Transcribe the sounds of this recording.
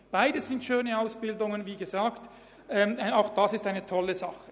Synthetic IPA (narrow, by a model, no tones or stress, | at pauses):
b̥aɪdəsz̥ɪntʃøːnəaʊsb̥ɪldʊŋənviːɡəzaːkt | ʔɛːmaʊxd̥ɑsɪstaɪnətʰɔlːəzɑχə